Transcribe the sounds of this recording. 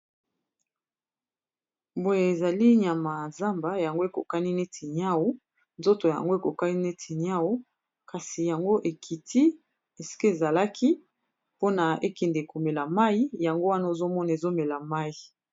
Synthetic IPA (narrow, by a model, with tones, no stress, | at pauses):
bo˨je˨e˨za˨li˦ɲa˨ma˨za˦mba˨ja˨ŋɡo˦e˨ko̰˨ka˦ni˦ne˦tʰi˨ɲ˦a˦wo˦ | nzo˦to˨ja̰˨ŋɡo˦e˨ko˨ka˦ni˦ne˦tʰi˨ɲ˦a˦wo˦ | ka˨si˨ja˨ŋɡo˦ʔe˨kʰi˨ti˦ | e˨si̥˦ke˦e˨za˨la˦ki˦ | po˦na˨e˦kɛ˨nde˨ko˨me˨la˨ma˦i˦ja˨ŋɡo˦wa˦na˦o˨zo˦mɔ˦na˨e˨zo˦me˨la˨ma˦i˨